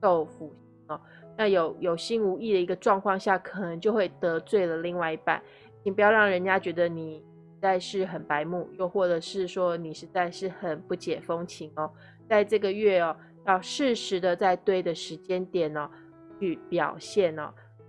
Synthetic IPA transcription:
o˥˩ʊfu˨˩ɕi˥˧˥ŋɔ˧ | na˥˩jo˨˩˦ʊjo˨˩ʊɕi˥nu˧˥i˥˩d̪ə˩i˧ɡə˧ʈ͡ʂwɑ˥˧ŋkʰwɑ˥˧ŋɕja˥˩kʰə˨˩nə˧˥ŋt͡ɕjo˥˧ʊxwe˥˩ɪt̪ɤ˧˥t͡swe˥˩ɪlə˩li˥˧ŋwa˥˩i˧˥pa̰˥˩n | t͡ɕʰi˧˩ŋpu˧˥jɑ˥˧ʊɻɑ˥˩ŋɻə˧˥nt͡ɕja˥t͡ɕɥɛ˧˥d̪ə˧ni˨˩ʂ̩˧˥t͡sa˥˧ɪʂɻ̩˥˩xə˨˩npa˧˥ɪmu˥˩jo˥˧ʊxwɔ˥˩ʈ͡ʂɤ˧˥ʂɻ̩˥˩ʂwɔ˥ni˨˩ʂɻ̩˧˥t͡sa˥˧ɪʂɻ̩˥˩xə˨˩npu˥˩t͡ɕjɛ˨˩fo˥ŋt͡ɕʰi˧˥ŋɔ˧ | t͡sa˥˧ɪʈ͡ʂɤ˥˩ɡə˨ɥɛ˥˩ɐ˩ | jɑ˥˧ʊʂɻ̩˥˩ʂɻ̩˧˥d̪ə˧t͡sa˥˧ɪt̪we˥˩ɪd̪ə˩ʂɻ̩˧˥t͡ɕjɛ˥nt̪jɛ˨˩nə˩ | t͡ɕʰy˥˩pjɑ̰˨˩ʊɕjɛ˥˩nə̰˩

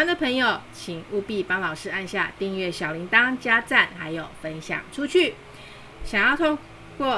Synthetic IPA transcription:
nd̪ə˨pʰə˧˥ŋjo˨˩ʊt͡ɕʰi˨˩ŋu˥˧pi˥˩pɑ˥ŋlɑ˨˩ʊʂɻ̩˥a˥˧nɕja˥˧t̪i˥˧ŋɥɛ˥˩ɕjɑ˨˩ʊli˧˥ŋt̪ɑ˥ŋt͡ɕja˥t͡sa˥˩nxa˧˥ɪjo˨˩ʊfə˦˥nɕjɑ̰˨˩ŋʈ͡ʂʰu˥t͡ɕʰy˥˩ | ɕjɑ˨˩ŋjɑ˥˩ʊt̪ʰʊ˥ŋ | kwɔ˥˩

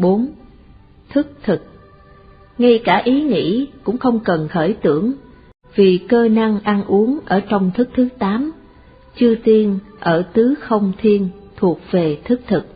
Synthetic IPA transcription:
ɓo˨˦n | t̪ʰɨ˦˥k̚t̪ʰɨ˨˩k̚ | ŋa˧jkaː˧˩ʔi˨˦ŋḭ˧˥kʊ̰˧˥ŋ͡mxə˧wŋ͡mkə˨˩nxəː˧˩jt̪ɨ̰˧˩˨əŋ | v̥i˨˩kəː˧na˧ŋʔa˧nʔu˨˦əŋʔəː˧˩t͡ɕɔ˧wŋ͡mt̪ʰɨ˦˥k̚t̪ʰɨ˨˦t̪aː˨˦m | t͡ɕɨ˧ət̪i˧ən | ʔəː˧˩t̪ɨ˨˦xə˧wŋ͡mt̪ʰi˧ənt̪ʰu˨˩ək̚v̥e˨˩t̪ʰɨ˦˥k̚t̪ʰɨ˨˩k̚

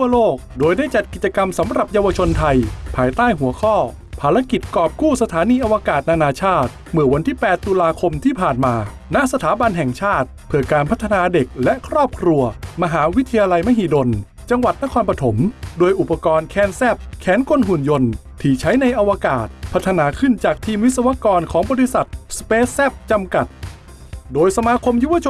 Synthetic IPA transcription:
t̪ʰu˥˩ɐəloː˥˩k̚doː˧jdaː˥˩jt͡ɕa˨˩t̪̚ki˨˩t͡ɕa˧ka˧msa˩˦mɾa˨˩p̚jaː˧wa˧t͡ɕʰo˧nt̪ʰa˧jpʰaː˧jt̪aː˥˩jɦu˨˩˦ɐkʰɔː˥˩ | pʰaː˧ɾa˦˥ki˨˩t̪̚kɔː˨˩p̚kuː˥˩sa˧t̪ʰaː˩˦niː˧ʔa˧wa˧kaː˨˩t̪̚naː˧naː˧t͡ɕʰaː˥˩t̪̚ | mɯ˨˧˩ɐwa˧nt̪ʰiː˥˩pɛː˨˩t̪ːu˧laː˧kʰo˧mt̪ʰiː˥˩pʰaː˨˩nmaː˧ | na˦˥ʔsa˧t̪ʰaː˩˦ba˧nɦɛ˨˩ŋt͡ɕʰaː˥˩t̪̚pʰɯ˧˩ɐkaː˧npʰa˦˥t̪ʰːa˧naː˧de˨˩k̚lɛ˦˥ʔkʰɾɔː˥˩p̚kʰɾu˧ɐma˧ɦaː˩˦wi˦˥t̪ʰːa˧jaː˧la˧jma˦˥ɦiː˨˩do˧n | t͡ɕa˧ŋwa˨˩t̪̚na˦˥kʰɔː˧npɾa˧t̪ʰo˩˦mdoː˧jʔu˨˩pːa˧kɔː˧nkʰɛː˧nsɛ˦˥˩p̚kʰɛː˩˦nkʰo˧nɦu˨˩njo˧nt̪ʰiː˨˧˩t͡ɕʰa˦˥jna˧jʔa˧waː˧kaː˨˩t̪̚pʰa˦˥t̪ʰːa˧naː˧kʰɯ˥˩nt͡ɕaː˨˩k̚t̪ʰiː˧mwi˦˥sa˧wa˦˥kɔː˧nkʰɔː˩˦ŋbɔː˧ɾi˧˥sa˨˩t̪̚speː˦˥sːɛ˦˥˩p̚t͡ɕa˧mka˨˩t̪̚ | doː˧jsa˧maː˧kʰo˧mju˦˥˩wa˧t͡ɕʰ

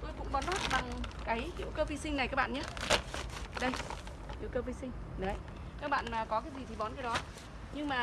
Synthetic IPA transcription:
t̪o˧jkʊ̰˧˥ŋ͡mɓɔ˨˦nɔ˦˥t̚ɓa˨˩ŋkaː˨˦jhḭ˧˨wkəː˧fi˧˦sï˧ŋna˨˩jkaː˦˥k̚ɓa̰ː˧˨ɲaː˨˦ | ɗə˧j | hḭ˧˨wkəː˧fi˧sï˧ŋ̟˨ə˨˧˩j | kaː˦˥k̚ɓa̰ː˧˨nmaː˨˩kɔ˨˦kaː˨˦jzi˨˩t̪ʰi˨˩ɓɔ˨˦nkaː˨˦jɗɔ˨˦ | ɲɨ˧ŋmaː˨˩

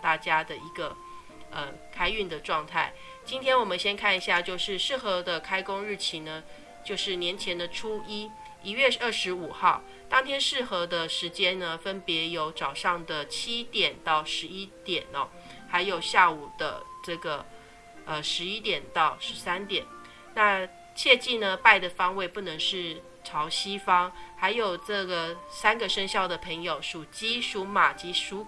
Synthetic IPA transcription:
t̪a˥˩t͡ɕja˥d̪ə˨i˧˥ɡə˧ | ə˧˩kʰa˥ɪy˥˩nd̪ə˩ʈ͡ʂwɑ˥˧ŋt̪ʰa˥˩ɪ | t͡ɕi˥nt̪ʰjɛ˥nwɔ˨˩mə˦nɕjɛ˥nkʰa˥˩ni˧˥ɕja˥˧t͡ɕjo˥˧ʊʂɻ̩˥˧ʂɻ̩˥˩xɤ˧˥d̪ə˧kʰa˥ɪkʊ˥ŋɻɻ̩˥˩t͡ɕʰi˧˥nə˧ | t͡ɕjo˥˧ʊʂɻ̩˥˩njɛ˧˥nt͡ɕʰjɛ˧˥nd̪ə˨ʈ͡ʂʰu˥i˥ | i˧˥ɥɛ˥˧ə˥˩ʂɻ̩˧˥u˨˩xɑ˥˩ʊ | t̪ɑ˥ŋt̪ʰjɛ˥nʂɻ̩˥˩xɤ˧˥d̪ə˧ʂɻ̩˧˥t͡ɕjɛ˥nnə˨fə˥npjɛ˧˥jo˧˥ʊʈ͡ʂɑ˨˩ʊʂɑ˥˩ŋd̪ə˩t͡ɕʰi˥t̪jɛ˨˩nt̪ɑ˥˩ʊʂɻ̩˧˥i˥t̪jɛ˨˩nɐ̰˦ | xa˧˥ɪjo˨˩ʊɕja˥˩u˨˩d̪ə̰˦ʈ͡ʂɤ˥˩ɡə˩ | ə˧ʂɻ̩˧˥i˥t̪jɛ˨˩nt̪ɑ˥˩ʊʂɻ̩˧˥sa˥nt̪jɛ˨˩˦n | na˥˧ | t͡ɕʰjɛ˥˧t͡ɕi˥˩nə˩pa˥˩ɪd̪ə˩fɑ˥ŋwe˥˧ɪpu˥˩nɤ˧˥ŋʂɻ̩˥˩ | ʈ͡ʂʰɑ˧˥ʊɕi˥fɑ˥ŋxa˧˥ɪjo˨˩ʊʈ͡ʂɤ˥˩ɡə˩sa˥nɡə˨ʂə˥ŋɕjɑ˥˩ʊd̪ə˩pʰə˧˥ŋjo˨˩ʊʂu˨˩t͡ɕi˥ʂu˧˥ma˨˩t͡ɕi˧˥ʂu˧˥

